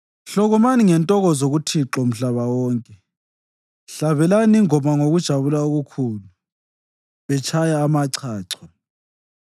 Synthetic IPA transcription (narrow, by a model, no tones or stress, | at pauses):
ɬɔɣɔmaniŋɛntʼɔɣɔzoɣutʰiǁɔm̩ɬaβawɔːŋkʼɛ | ɬaβɛlaniŋɔmaŋoɣud̥ʒ̥ʱaβulauɣukʰuːlu | βɛt͡ʃʰajaːmaǀʰaːǀʰɔ